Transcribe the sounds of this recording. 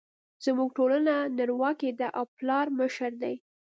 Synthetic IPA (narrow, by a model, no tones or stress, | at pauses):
z̥muɡ̚ʈolananaɾwɑked̪aʔawplɑɾməʃəɾd̪aj